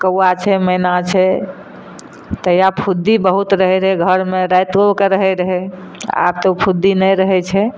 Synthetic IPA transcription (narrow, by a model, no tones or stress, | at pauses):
kəwat͡ʃʰɛməjnat͡ʃʰɛ | t̪əjapʰud̪ːibəɦut̪ɾəɦɛɾəɦɛɡʱəɾmeɾajt̪okeɾəɦɛɾəɦɛ | a̰p̚t̪oupʰud̪inəjɾəɦɛt͡ʃʰɛ